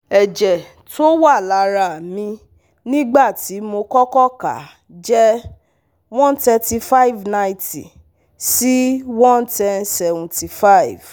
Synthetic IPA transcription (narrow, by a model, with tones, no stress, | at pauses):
ɛ˨d͡ʒɛ˨ | to˦wa˦˨la˨˧˦ɾa˨mĩ˧ | nĩ˦ɡ͡ba˦˨ti˨˦mo˧kɔ˦kɔ˦ka̰˨ | d͡ʒɛ˦ | wɔ̃˦ntɛ˧ti˧fa˦i˦˨vnã˧ĩ˦ti˨ | si˦wɔ̃˦ntɛ˧nsɛ˨vɔ̃˨ti˨fa˦˨i˨v̥